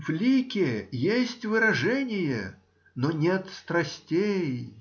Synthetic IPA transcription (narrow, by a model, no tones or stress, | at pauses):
vlʲikʲɪjesʲtʲvɨɾɐʐɛnʲɪjə | nonʲet̪st̪ɾɐsʲtʲej